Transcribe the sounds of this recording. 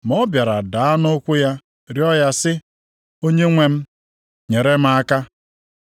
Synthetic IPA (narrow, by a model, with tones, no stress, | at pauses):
m˨ɔ˦bja˨ɾa˨da˨a˦no˦kʷu˦ja˦ | ɾjɔ˦ja˦sɪ˦ | o˦ɲe˦ŋʷe˦m̩˦ | ɲe˨ɾe˦m̩˦a˦ka˦